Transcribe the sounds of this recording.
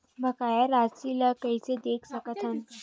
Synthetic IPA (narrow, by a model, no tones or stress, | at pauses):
bʱəkajaɾasilakəjt͡sed̪ekʰsəkət̪ʰan